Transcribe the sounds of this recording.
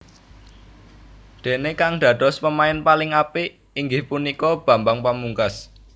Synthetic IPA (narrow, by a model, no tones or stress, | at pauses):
d̪̥e̤nekaŋɖ̪̥ä̤d̪̥ɔ̤spəmaɪnpalɪŋapi | iŋɡɪhpunikɔb̥ä̤mbaŋpamuŋkas